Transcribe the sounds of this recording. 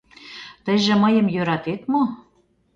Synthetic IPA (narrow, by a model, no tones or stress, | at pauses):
t̪ə̆ʒĕmə̆jɤ̆mjøɾɑt̪et̪mo